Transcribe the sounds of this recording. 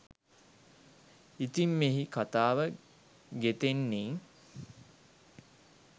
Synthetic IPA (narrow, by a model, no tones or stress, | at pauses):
it̪imːeɦikat̪aːʋə | ɡet̪enːiːŋ